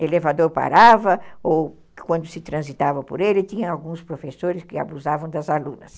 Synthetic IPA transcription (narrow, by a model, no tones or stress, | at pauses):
elevad̪oɾpa̰ɾavɐow | kwɐ̃nd̪ʊsɪt̪ɾɐ̃zit̪avɐpo̰ɾelɪt̪ĩɲɐ̃awɡũspɾofesoɾɪskɪa̰buzavɐ̃w̃d̪ɐzalũnɐ̰s